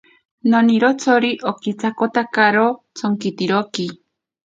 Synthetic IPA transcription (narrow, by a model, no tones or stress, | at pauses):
noniɾot͡sʰoɾiʔokit͡sʰakot̪akaɾot͡sʰoŋkit̪iɾoki